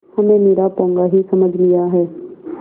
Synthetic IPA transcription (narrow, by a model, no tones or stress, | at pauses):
həmẽːmeːɾapɔ̃ːŋɡaːɦisəməd͡ʒʱlɪjaɦɛː